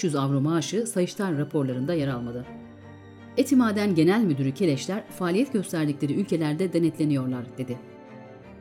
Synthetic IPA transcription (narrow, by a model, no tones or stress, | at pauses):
yzavɾomaːʃɯsajɯʃt̪ʰaɾːapʰo̞ɾlˠaɾɯnd̪ajaɾalˠmad̪ɯ | et̪ʰimaːd̪ænɟe̞nælʲmyd̪yɾycʰe̞lʲɛʃlʲæɾfaːlʲijɛt̪ɟø̞st̪ʰæɾd̪iclʲe̞ɾiylʲcʰe̞lʲæɾd̪ɛd̪e̞nɛt̪lʲe̞nijo̞ɾlˠaɾd̪e̞d̪ɪ